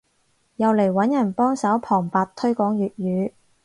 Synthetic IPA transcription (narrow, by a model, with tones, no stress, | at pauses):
jɐ˨wle˨˩jwɐ˨˥njɐ˨˩npɔː˥ŋsɐ˨˥wpʰɔː˨˩ŋpaː˨t̚t̪ʰɵ˥ɥkɔː˨˥ŋjyː˨t̚jyː˨˧˥